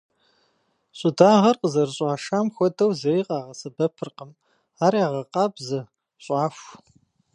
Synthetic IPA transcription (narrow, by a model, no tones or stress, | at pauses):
ɕʼʊdaːʁɐrqəzɐrɕʼɑːʂaːmxʷɔdɐwzɐiːqʼɑːʁɐsɐbɐpʰɨrqəm | aːɾjaːʁɐqɑːbzɐ | ɕʼɑːfʷ